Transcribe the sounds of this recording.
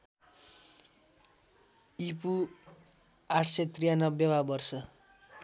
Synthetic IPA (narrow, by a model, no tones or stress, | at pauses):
ipu | aʈʰset̪rijanʌbjʌbabʌrsʌ